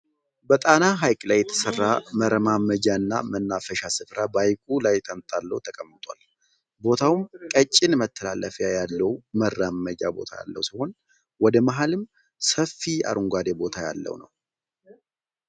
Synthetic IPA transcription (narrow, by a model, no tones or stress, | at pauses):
bət̪ʼanaɦajkʼlajːɛt̪ʰə̥sərːaməɾəmaməd͡ʒaɨnːa̰mənːafəʃasɨfɾabajkʼulajt̪ʼəmt̪ʼalːə̰wut̪ʰəkʼəmːɨt̪ʼwal | bo̞t̪ʰawmkʼət͡ʃʼːɪnmət̪ʰːəla̰lːəfjajalːəwmərːaməd͡ʒabo̞̰t̪ʰaja̰lːə̰wsiho̞n | wɔd̪əmaɦalɨm | səfːia̰ɾʔuŋɡʷad̪ebo̞t̪ʰaja̰lːə̰wnə̰w